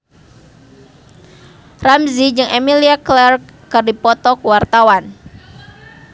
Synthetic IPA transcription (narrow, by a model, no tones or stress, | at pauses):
ramzid͡ʒɨŋemiliaklɛrkːɨrdipɔt̪ɔkuwart̪awan